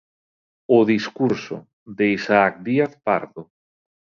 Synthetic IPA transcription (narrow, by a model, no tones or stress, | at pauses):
ʊðiskuɾso̰ | ðeisaak̚d̪iaθpa̰ɾðʊ